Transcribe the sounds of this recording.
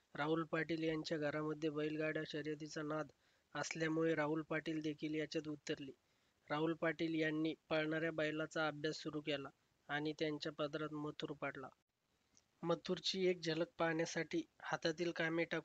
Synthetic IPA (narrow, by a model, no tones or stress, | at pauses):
ɾaɦulpaʈiːljaɲt͡ɕjaɡʱəɾaməd̪ʱːjebəilɡaɽjaɕəɾjət̪it͡sanad̪ | əsljamuɭeɾaɦulpaʈiːld̪ekʰiːljat͡ɕat̪̬ut̪ːəɾliː | ɾaɦulpaʈiːljanːiːpəɭɳaɾjabajlat͡saəbʱjasːuɾuːkɛlaː | ɽ̃it̪jaɲt͡ɕjapəd̪ɾat̪mət̪ʰuːɾpaɽla̰ | mət̪ʰuɾt͡ɕiːek̚d͡ʑələk̚paɳjasaʈiːhat̪at̪iːlkamiːʈaku